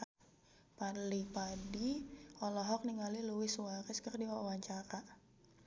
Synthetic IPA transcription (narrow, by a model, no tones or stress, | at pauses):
palipadiɔlɔɦɔk̚niŋaliluwɪswaɾɪskərdiwawaɲt͡ʃaɾa